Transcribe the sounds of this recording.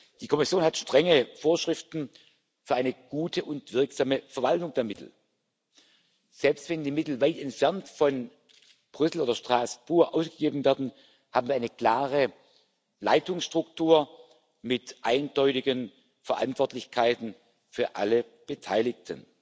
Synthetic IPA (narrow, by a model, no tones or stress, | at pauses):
d̥iːkʰɔmɪsjoːnhatʃtʁ̥ɛŋəfoːɐʃʁ̥ɪftn̩ | fyːɐaɪnəɡ̥uːtʰəʔʊntv̥ɪʁkz̥aːməfɛɐvaltʊŋd̥eːɐmɪtl̩ | z̥ɛlpstv̥ɛndiːmɪtl̩vaɪtɛntfɛɐntfɔn | b̥ʁʏsl̩oːdɐʃtʁ̥aːsb̥uːɐʔaʊsɡ̥əɡeːbn̩vɛɐdn̩ | haːbm̩viːɐaɪnəkl̥aːʁə | la̰ɪtʊŋsʃtʁ̥ʊktʰuːɐ | mɪtʔaɪndɔʏtɪɡən | fɛɐʔa̰ntv̥ɔɐtlɪçkʰaɪtn̩ | fyːɐʔa̰lə | b̥ətʰaɪlɪktʰə̰n